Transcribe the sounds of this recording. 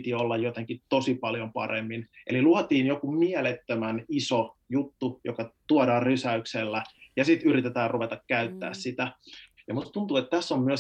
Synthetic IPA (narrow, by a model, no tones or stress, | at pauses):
t̪iolːɑjjot̪eŋkit̪osipɑljompɑ̰remːinʔḛliluɑt̪iːnjokumiɛlet̪ːømænisojut̪ːujo̰kɑt̪uɑdɑːrysæykselːæjɑsit̪yrit̪et̪æːrruʋet̪ɑkkæyt̪ːæ̰ːssit̪æ | jɑmust̪unt̪uet̪t̪æsːommyø